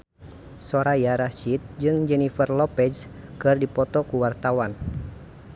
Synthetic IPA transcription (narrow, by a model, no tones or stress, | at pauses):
sɔɾajaɾasit̪̚d͡ʒɨŋd͡ʒɛnifərlɔpɛskɨrdipɔt̪ɔkuwart̪awan